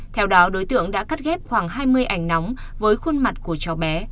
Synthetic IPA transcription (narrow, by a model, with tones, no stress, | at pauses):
t̪ʰɛ˧wɗɔ˨˦ɗo˨˦jt̪ɨ̰˧˨əŋɗa̰ː˧˥ka˦˥t̚ɣɛ˦˥p̚xwaː˧˩ŋɦaː˧jmɨ˧əjʔa˧˩jŋ̟na˨˦wŋ͡m | vəː˨˦jxu˧nma˨˩t̚ku˧˩ət͡ɕɔ˨˩wɓɛ˨˦